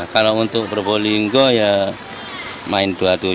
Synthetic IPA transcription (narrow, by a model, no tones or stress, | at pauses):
kalount̪ʊʔbərboliŋɡoja | maɪnduat̪u